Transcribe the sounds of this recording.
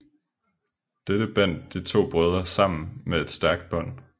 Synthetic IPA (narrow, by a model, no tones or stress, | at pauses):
d̥eɾ̥əb̥æn̰d̥d̥it͡sʰo̝̰ːb̥ʁœð̞ˠɐsɑ̈m̰n̩mee̝d̥sd̥æɐɡ̥̚d̥̚b̥ɒ̽n̰